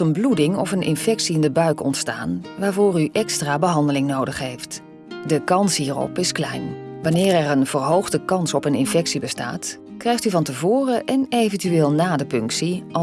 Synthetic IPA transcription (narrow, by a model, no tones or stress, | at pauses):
ənbludɪŋɔ̰fənʔɪ̰nfɛksiɪndəbœɥkɔ̰ntsta̰ːnʋaːɹvʊːryʔɛkstraːbəɦɑndəlɪŋnowdəχɦejft | dəkɑnsɦiːrɔ̰pɪsklɛ̰jnʋɑnɪːrɛrənvəɹɦowχdəkɑnsɔpənɪ̰nfɛksibəsta̰ːt | krɛjχtyvɑntəvoːrəʔɛnejvəntyʋeːlˠnaːdəpɵŋksiɑ